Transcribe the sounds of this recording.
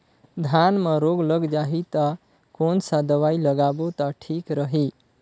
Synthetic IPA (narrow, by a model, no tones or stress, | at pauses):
d̪ʱanməɾoɡləɡd͡ʒaɦit̪ə | konsad̪əwailəɡabot̪ɔʈʰikɾəɦi